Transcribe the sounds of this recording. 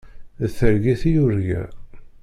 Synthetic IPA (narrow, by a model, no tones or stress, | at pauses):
θəɾɡiθijuɾɡæ̰